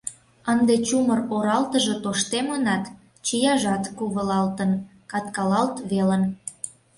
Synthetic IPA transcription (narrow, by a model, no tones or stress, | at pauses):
ənd̪et͡ɕuməroɾɑlt̪əʒot̪oʃt̪emənɑt̪ | t͡ɕijɑʒɑt̪kuβəlɑlt̪ən | kɑt̪kɑlɑlt̪βelən